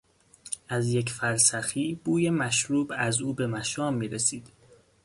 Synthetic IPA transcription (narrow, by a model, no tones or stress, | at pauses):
ʔæzjecʰfæɾsæxiːb̥uːje̞mæʃɾuːbæzuːbe̞mæʃɒːmːiːɾesiːd̪̥